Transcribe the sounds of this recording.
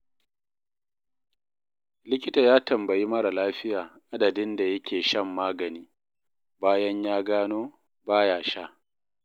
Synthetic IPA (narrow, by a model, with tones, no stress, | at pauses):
lɪ˦kʲɪ˦taː˨jaː˦tɐ˨mbɐ˨ji˦mɐ˦ɽa˨laː˦ɸɪ˦jaː˨ʔa˦dɐ˨dɪ˦nda˨jɐ˦kʲʰeː˨ʃɐ˦mːaː˦ɡɐ˨niː˦ | baː˦jɐ˦ɲjaː˦ɡaː˦noː˦ | baː˦jaː˨ʃa˦ʔ